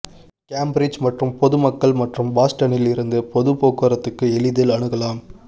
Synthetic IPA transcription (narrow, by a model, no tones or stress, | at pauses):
kaːmbɾɪd͡ʒmɐʈrɯmpɔðɯmɐkːɐɭmɐʈrɯmbaːsʈɐnɪlɪɾɯnd̪ɯpɔðɯpoːkːɐɾɐt̪ːɯkːɯɛɭɪðɪlɐɳɯɣɐlaːm